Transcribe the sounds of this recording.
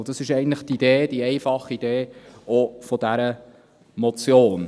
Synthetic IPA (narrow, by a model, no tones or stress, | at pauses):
d̥ɑsɪʃɛɪɡntləχt̪id̥eːd̥iɛɪfɑχid̥eːofɔdæɾə | mɔt͡sjoːn